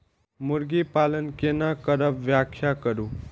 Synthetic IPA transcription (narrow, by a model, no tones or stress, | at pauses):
muɾɡipalənkenakəɾəbʋjakʰjakəɾu